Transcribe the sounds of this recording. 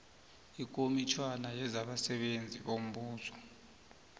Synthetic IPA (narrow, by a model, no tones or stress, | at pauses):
ik̬ʼomit͡ʃʰwanajɛzaɓasɛɓend͡zʱiɓom̩ɓuːsʰɔ̥